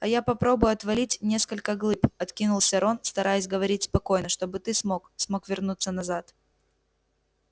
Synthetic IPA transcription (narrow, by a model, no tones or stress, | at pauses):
ɐjapɐpɾo̞bʊjʊɐt̪vɐlʲitʲnʲe̞skəlʲkəɡlˠɨpɐt̪kʲinʊlˠsʲɐɾo̞nst̪ɐɾʔajʊsʲɡəvɐɾʲitʲspɐko̞jnəʂt̪o̞bɨt̪ɨsmoksmo̞kvʲɪrnut̪sːənɐzat̪